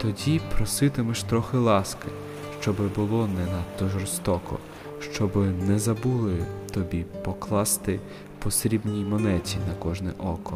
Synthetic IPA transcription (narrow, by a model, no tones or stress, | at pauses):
t̪ɔdʲipɾɔsɪt̪ɪmɛʃt̪ɾɔxɪlˠɑskɪ | ʃt͡ʃɔbɪbʊlˠɔnɛnɐt̪ːɔʒɔrst̪ɔkɔ̰ | ʃt͡ʃɔbɪnɛzɐbulˠɪt̪ɔbʲipɔklˠɑst̪ɪ | pɔsɾʲibnʲijmɔnɛt͡sʲinɐkɔʒnɛʔɔkɔ